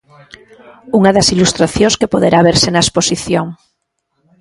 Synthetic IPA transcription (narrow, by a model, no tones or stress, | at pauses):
uŋaðasilust̪ɾaθjõŋskepoð̞eɾʔaβ̞eɾsenaesposiθjoŋ